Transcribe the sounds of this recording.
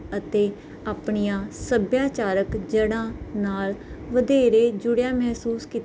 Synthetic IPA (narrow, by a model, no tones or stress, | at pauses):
ət̪eː | aːpɳijãːsəbjaːt͡ʃaːɾəkd͡ʒəɽãːnaːlʋəd̪eːɾeːd͡ʒʊɽjaːmɛːɦsuːskit̪